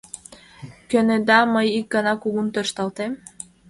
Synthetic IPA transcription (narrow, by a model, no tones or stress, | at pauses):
kʲøned̪ɑmɤjik̚ɡɑnɑkuɡunt̪øɾʃt̪ɑlˠt̪em